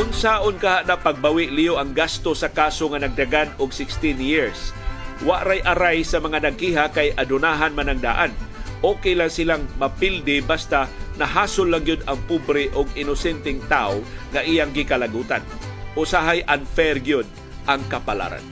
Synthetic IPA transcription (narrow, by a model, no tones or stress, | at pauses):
ʔʊnsaʔonkaɦaʔnapaɡ̚bawɪʔlijoʔɐŋɡast̪osɐkaːsoŋanaɡ̚d̪aɡanoɡsɪkst̪ɪnjɪɹswaʔɾajʔɐɾajsɐmɐŋanɐɡ̚kiɦakajʔɐd̪ʊnaːɦanmanɐŋd̪a̰ːʔanʔokɛjlaŋsɪlaŋmɐpild̪ɪbast̪anɐɦaːsolːaŋjʊd̪ɐŋpubɾɛʔoɡ̚ɪnosɛnt̪ɛŋt̪aoŋaʔijaŋɡɪkɐlaɡuːt̪an | ʔosaɦajʔanfɛɾɡjod̪̚ | ʔaŋkɐpala̰ɾa̰n